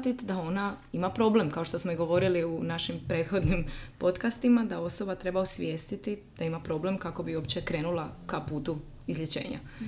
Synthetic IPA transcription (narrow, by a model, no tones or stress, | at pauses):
at̪it̪d̪ao̞naimapɾo̞ble̞mkaoʃt̪o̞smo̞iɡo̞ʋo̞ɾiliunaʃimpɾe̞ːt̪xo̞d̪nimpo̞t̪kast̪imad̪ao̞so̞bat̪ɾe̞bausʋje̞ːst̪it̪id̪̥aimapɾo̞ble̞mkako̞biopt͡ɕe̞kɾe̞ːnulˠakapuːt̪u | izʎʲjet͡ɕe̞̰ːɲa̰